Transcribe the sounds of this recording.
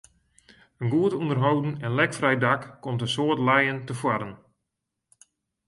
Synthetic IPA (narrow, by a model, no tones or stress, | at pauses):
ənɡuətundərɦowdn̩ɛnlɛkfrɛjdakːomtənsoətlɛjəntəfwaɾən